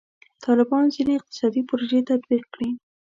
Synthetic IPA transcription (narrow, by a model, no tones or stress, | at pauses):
t̪ʰɑlɪbɑnzineɪq̚t̪ɪ̥sɑd̪ipʊɾoʒet̪ad̪biq̚kɽi